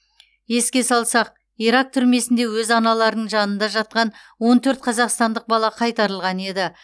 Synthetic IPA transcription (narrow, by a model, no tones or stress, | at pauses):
je̞skʲe̞sɑlˠsɑq̚ | iɾɑk̚t̪ʰʏɾme̞sɪnd̪e̞wɵzɑnɑlˠɑɾənəɴʒɑnənd̪ɑʒɑt̪̚qɑnwo̞nt̪ʰɵɾt̪̚qʰɑzɑqst̪ɑnd̪əq̚bɑlˠɑqʰɑjt̪ɑɾəlˠʁɑne̞d̪ɪ